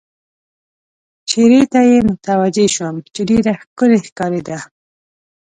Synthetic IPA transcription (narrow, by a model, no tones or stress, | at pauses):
t͡ʃeɾet̪ajemʊt̪awad͡ʒeʃwəmt͡ʃeɖeɾaxkəlexkɑɾed̪a